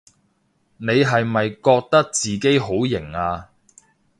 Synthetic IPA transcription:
ne˨˧jɦɐ˨jmɐ˨jkɔː˧k̚t̪ɐ˥k̚t͡siː˨ke˥jɦo˨˥wjɪ˨˩ŋaː˧

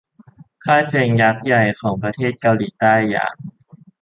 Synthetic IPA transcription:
kʰaː˥˩jpʰeː˧ŋja˦˥k̚ja˨˩jkʰɔː˩˦ŋpɾa˧t̪ʰeː˥˩t̪̚ka˧wliː˩˦t̪aː˥˩jːa̰ː˧˩ŋ̚

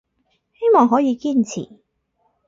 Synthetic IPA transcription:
he˥jmɔː˨ŋɦɔː˨˥jiː˨˧kiː˥nt͡sʰḭː˨˩

